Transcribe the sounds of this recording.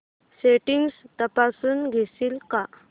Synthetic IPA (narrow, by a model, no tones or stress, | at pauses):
seʈiŋɡst̪əpasuːnɡʱesiːlka